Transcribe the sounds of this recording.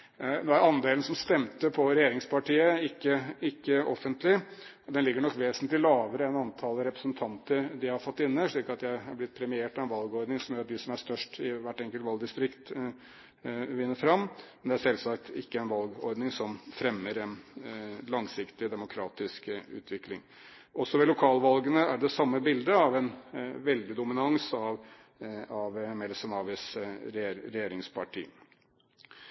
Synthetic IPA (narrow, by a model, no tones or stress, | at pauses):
noːæɾɑnd̪eːln̩sɔmst̪ɛmt̪əpʰɔɾɛjeːɾɪŋspʰɑʈʰiːəɪkːəɪkːəʔɔfːənt̪lɪ | d̪ɛnlɪɡːəɳɔkːʋeːsənt̪lɪlɑːʋəɾəɛnɑnt̪ʰɑːləɾɛpɾə̥snt̪ʰɑnt̪əɾɖ̪ɪhɑɾfɔt̪ːɪnːəʂɭiːkɑt̪jæɪhɑblɪt̪̚pʰɾɛmɪeːʈɑɛnʋɑlɡɔɾd̪nɪŋsɔmjʊɾɑt̪d̪ɪsɔmæʂt̪œʂʈɪʋæʈːɛŋkəlt̪ʋɑld̪ɪst̪ɾɪkt̪ | ʋɪnːəfɾɑmːmɛnd̪ɛæɾʂsɛlsɑk̚t̪ɪkːəɛnʋɑlɡɔ̰ɾd̪nɪŋsɔmfɾɛmːəɾɛn | lɑŋsɪkt̪ɪd̪ɛmʊkʰɾɑːt̪ɪskʉ̰ːt̪ʰʋɪklɪŋ | ʔɔsːɔʋɛlʊkʰɑːlʋɑlɡənəæɖɛsɑmːəbɪld̪əɑʋɛnʋɛld̪ɪd̪ʊmɪnɑŋsɑʋ | ɑʋmɛləsɛnɑːʋɪsɾɛɾɛjeːɾɪŋspʰɑʈʰḭː